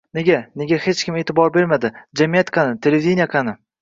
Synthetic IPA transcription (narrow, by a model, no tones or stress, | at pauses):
ne̞ɡʲane̞ɡʲahe̞t͡ʃkʲɪme̞ːt̪ʰɪbɒɾbe̞ɾmad̪ɪd͡ʒamijat̪kʰɑnɪt̪ʰe̞lʲevʲid̪ʲinijaqʰanɪ